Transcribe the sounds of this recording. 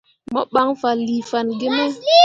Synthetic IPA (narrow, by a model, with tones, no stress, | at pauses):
mɔ˦ɓa˦ŋfa˨li˨fa˨nɡe˦mɛ˦